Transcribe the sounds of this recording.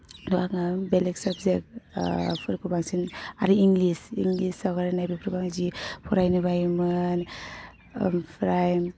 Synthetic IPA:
luaŋabeleksabzek̚ | pʰɯɾkʰɯbaŋsinaɾiiŋlisḭŋlisawɡaɾanajbipʰɾɔɡaŋzipʰɔɾajnɯbajmɯn | pʰɾajm

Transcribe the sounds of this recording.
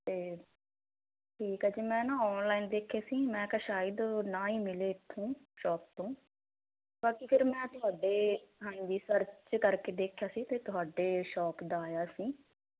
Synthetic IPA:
t̪eː | ʈʰiːkɛd͡ʒeːmɛ̃ːnãːɔːnlaːind̪eːkʰjaːsiːmɛ̃ːkəʃaːɪd̪nãːiːmɪleːɪt̪ʰːõːʃɔːp̚t̪õː | baːkipʰɪɾmɛ̃ːt̪ʊɦaːɖeːãːĩːd̪iːsəɾt͡ʃt͡ʃkəɾkeːd̪eːkʰjaːsiːt̪eːt̪ʊɦaːɖeːʃɔːpd̪aːjaːsĩː

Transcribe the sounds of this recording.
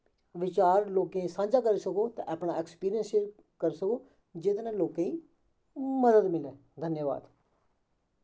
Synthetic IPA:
ʋɪt͡ʃaːɾloːkẽsãːɲd͡ʒaːkəɾeːsəkoːt̪ã̰ʔaːpɽaːɛkspiːɾijə̃nseɾ | kəɾsəkoː | d͡ʒet̪nãːloːkẽːĩː | məd̪əd̪mɪlɛː | d̪ʱənjəʋa̰ːd̪

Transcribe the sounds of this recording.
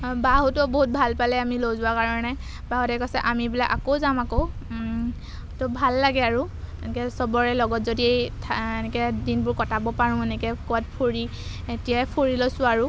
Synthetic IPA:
baɦutɔboɦut̚bʱalpalɛamilowzʊwakaɹɔnɛ | baɦɔtɛkɔsɛʔamibilakakozamako | tɔbʱalːaɡɛaɹu | ɛnɛkɛsɔbɔɹɛlɔɡɔtzodiejtʰenɛkɛdinbʊɹkɔtabɔpaɹʊ̃enɛkɛkɔat̚pʰoɹi | etijaɛpʰoɹilɔsʊ̃aɹu

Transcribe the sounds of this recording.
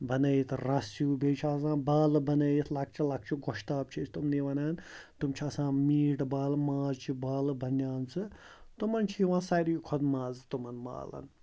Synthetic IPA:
bɐnɐjit̪ʰɾɐsjuːbʱeːt͡ʃʰaːsãːbaːlɨbɐnɐjit̪ʰlɐk̚ʰt͡ʃʰilɐk̚t͡ʃʰiɡoʃt̪aːb̚t͡ʃʰit͡ʃʰt̪umniʋɐnaːnt̪umt͡ʃʰiaːsãːmiːʈbaːlmaːzt͡ʃʰibaːlɨbʱɐnjaːnt͡sʰɨ | t̪umɐnt͡ʃʰiiʋãːsaːɾiːkʰɔd̪maːzt̪umɐnma̰ːlɐ̰n

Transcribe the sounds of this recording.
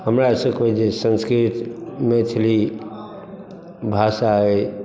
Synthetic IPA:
ɦəmɾasəkbed͡ʒesə̃nskɾit̪met̪ʰli | bʱasaɦe

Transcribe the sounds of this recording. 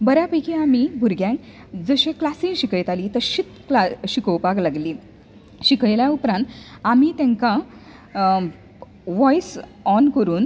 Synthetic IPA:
bəɾjapəjkiamibʱuɾɡjãŋk | d͡zəɕẽklasĩŋɕikəjt̪aliːt̪əɾɕit̪klaɕikəwpaklaɡliː | ɕikəjljaupɾãnt̪amit̪ɛ̃ŋkã | ʋɔjsɔnkəɾuːn

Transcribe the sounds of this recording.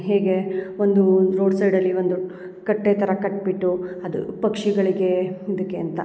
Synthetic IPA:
ɦeːɡe̞ond̪uɾo̞ːɖsɐjɖɐlːiond̪u | kɐʈːeːt̪ʰɐɾɐkɐʈ̚ːbiʈːuɐd̪ṵpɐkʂiɡɐɭiɡe̞id̪ɐkːeɐnt̪ɐ̰

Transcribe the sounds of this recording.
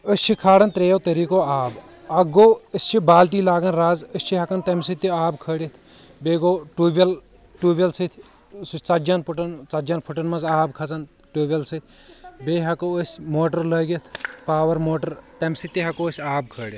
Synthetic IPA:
əsʲt͡ʃʰikʰaːɽɐnt̪ɾeːjoːt̪ɐɾiːkoːaːb | ɐɡoːəsʲt͡ʃʰibaːlʈiːlaːɡɐnɾaːzəsʲt͡ʃʰiɦɐkɐnt̪ɐmsit̪iaːbkʰəːɽʲɐt̪ʰ | beːɡoːʈuːbɐl | ʈuːbʲɐlsɨt̪ʰʲ | st͡sɐd͡ʒɐnpʰuʈɐnt͡sɐd͡ʒɐnpʰuʈɐnmɐzaːbkʰɐt͡sɐn | ʈuːbʲɐlsɨt̪ʰʲbeːɦɐkoəsʲmoːʈɐɾləːɡɐt̪ʰpaːʋɐɾmoːʈɐɾt̪ɐmsit̪iɦɐkoːəsʲaːb̚kʰəːɽʲjɐt̪

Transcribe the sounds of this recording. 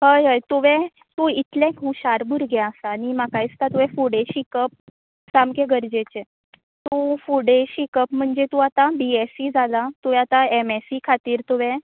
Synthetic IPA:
ɦəjɦəjt̪uʋẽ | t̪ũit̪ljẽkɦuɕaɾbʱuɾɡɛəsaːnimakaist̪at̪uʋɛ̃fuɽeɕikəp̚ | samkeɡəɾd͡ʑet͡ɕe | t̪ufuɽeɕikəpm̤əɳd͡zet̪ũat̪abiesid͡zalat̪uʋɛ̃at̪aemesikʰat̪iːɾt̪uʋẽ

